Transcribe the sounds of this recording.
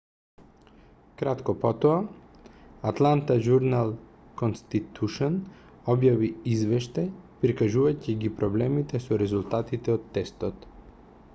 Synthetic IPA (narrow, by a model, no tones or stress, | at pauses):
kɾat̪kɔpɔt̪ɔa | at̪lˠant̪aʒuɾnalˠ | konst̪it̪ʰuʃɔn | ɔbjaviizvɛʃt̪ajpɾikaʒuvaciɡipɾɔblɛmit̪ɛsɔɾɛzulˠt̪at̪it̪ɛot̪ːɛst̪ɔt̪